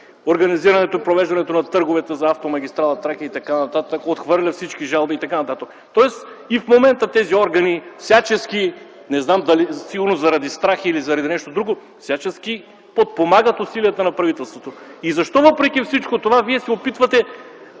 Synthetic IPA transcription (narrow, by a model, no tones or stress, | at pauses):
oɾɡɐniziɾɐnɛt̪oipɾovɛʒd̪ɐnɛt̪onɐt̪ɤɾɡovɛt̪ɛzɐaft̪omɐɡʲist̪ɾalˠɐt̪ɾakɐit̪ɐkanɐt̪at̪əkot̪xvɤɾlʲɐfsit͡ʃkiʒalˠbiːt̪ɐkanɐt̪at̪ək | t̪ɔɛs | ifmomɛnt̪ət̪ɛziɔɾɡɐnifsʲat͡ʃɛski | nɛznamd̪ɐlisiɡʊɾnozɐɾɐd̪ist̪ɾaxilizɐɾɐd̪inɛʃt̪od̪ɾuɡo | fsʲjat͡ʃɛskʲi | pot̪̚pomaɡət̪ʊsiliət̪ənɐpɾɐvit̪ɛlˠst̪vot̪oizɐʃt̪ɔvɤpɾɛk̟ʲifsit͡ʃkot̪ovaviɛsɛopit̪vɐt̪ɛ